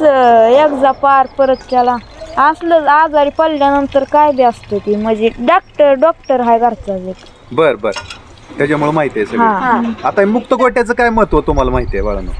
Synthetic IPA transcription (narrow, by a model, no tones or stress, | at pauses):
ekd͡zapaɾpəɾət̪kɛla | asləad͡zaɾipəlljanənt̪əɾkajbiast̪ək̪iməd͡ʑeɖak̚ʈəɾɖɔk̚ʈəɾɦajɡaɾt͡sad͡zek | bəɾbəɾ | t̪jat͡ɕamuɭumaɦit̪eesəɦããat̪aimukt̪əkoʈjat͡səːkajməɦət̪ʋət̪um̤alamaɦit̪eebaɾa̰nṵ